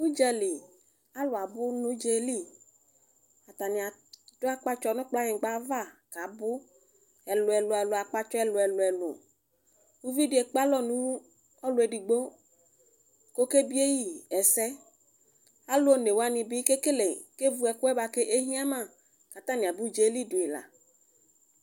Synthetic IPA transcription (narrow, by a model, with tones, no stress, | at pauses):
u˦d͡ʒɛ˦li˨ | a˦lʊ˨a˨bʊ˦nʊ̃˦d͡ʒe˨li˦˨ | a˨t̪a˨nĩ˨a˨d̥ʊ˦a˦k͡pa˦t͡ʃɔ˦nʊ̃˦k͡pla˦ɲɪ̃˨ɡ͡ba˦va˦˨ka˨bʊ˦ | ɛ˨lʊ˨ɛ˨lʊ˨ɛ˨lʊ˨a˨k͡pa˦t͡ʃɔ˦ɛ˦˨lʊ˨ɛ˨lʊ˨ɛ˨lʊ̰˨ | wu˦vi˦di˨e˨k͡pa˦lɔ˦nũ˦ | ɔ˦lʊ˨˦e˨di˨ɡ͡bo˦ | ko˦ke˦bi˦e˦ji˦ɛ˨sɛ˦ | a˦lo˦o˦ne˨wo˨˦a˦nĩ˨bi˦ke˦ke˦le˨ke˦vu˦ɛ˨kʊ˦ɛ˦ba˨ke˦ʔe˦ɦĩ˦a˦mã˦˨ | ka˨t̪ã˦nĩ˨a˨bu˦d͡ʒe˨li˦du˨e˨la̰˨